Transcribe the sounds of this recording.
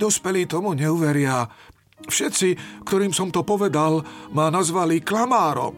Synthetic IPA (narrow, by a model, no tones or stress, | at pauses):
d̪ɔspɛliːt̪ɔmuɲɛuʋɛɾɪa | fʃɛt̪t͡sikt̪ɔɾiːmsɔmt̪ɔpɔʋɛd̪almanazʋaliklamaːɾɔ̰m